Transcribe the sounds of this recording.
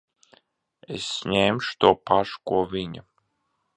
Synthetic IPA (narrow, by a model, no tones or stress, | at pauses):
esːɲʲeːmʃu̥t̪uɔpaʃu̥kuɔvʲiɲa